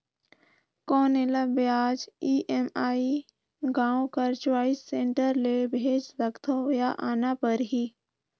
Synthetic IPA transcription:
kɔːnelabjaːd͡ʒiʔemaːi | ɡãːõkəɾt͡ʃwaːisːẽːɳʈəɾlebʱeːd͡ʒɾəkt̪ʰojaʔaːnapəɾɦiː

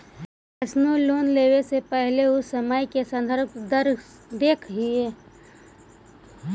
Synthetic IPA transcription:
əsnuloːnleːwesepəɦleʊsːəməjkesə̃nd̪ʱəɾb̚d̪əɾd̪eːkʰɦieː

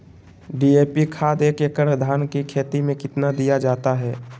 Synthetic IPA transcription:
ɖiːeːpikʰaːd̪eːkekəɾəd̪ʱaːnkikʰeːt̪imẽkɪt̪nad̪ijad͡ʒaːt̪aɦɛː

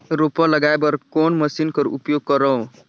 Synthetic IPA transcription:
ɾopələɡaebəɾkonməsinkəɾṵpjoɡ̚kəɾəũ

